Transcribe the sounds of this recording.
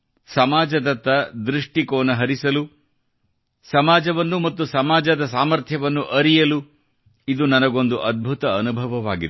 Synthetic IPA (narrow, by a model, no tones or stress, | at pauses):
sɐmaːd͡ʒɐd̪ɐt̪ːɐd̪ɾiʂʈikoːnɐɦɐɾisɐlu | sɐmaːd͡ʒɐʋɐnːumɐt̪ːusɐmaːd͡ʒɐd̪ɐsaːmɐɾt̪ʰjɐʋɐnːuʔɐɾijɐlu | id̪unɐnɐɡo̞nd̪uʔɐd̪̚bʱut̪ɐːnubʱɐʋɐʋaːɡid̪